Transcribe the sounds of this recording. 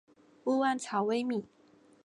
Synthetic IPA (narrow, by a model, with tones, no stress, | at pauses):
u˥˧wa˥˩nt͡sʰɑ˨˥˦ʊwe˥˦ɪmi˨˩˦